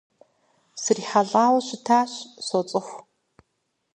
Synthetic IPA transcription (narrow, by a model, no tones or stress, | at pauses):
sɨriːħaɮaːwɐɕɪtʰaːɕsɔt͡sʼɨxʷ